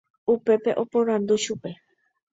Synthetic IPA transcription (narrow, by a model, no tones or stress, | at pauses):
upe̞pe̞ʔo̞põɾ̃and̪uʃupe̞